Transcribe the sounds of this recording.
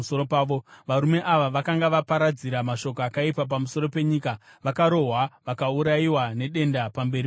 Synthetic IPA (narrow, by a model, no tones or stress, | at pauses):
soɾopaːʋoʋaɾume̞ʔaʋaʋakaŋɡaʋapaɾad͡ziɾamaʃo̞k̬oakaipap̬amuso̞ɾo̞pe̞ɲika | ʋakaɾo̞ɦwaʋakauɾaiwane̞ɗe̞ndapambe̞ɾi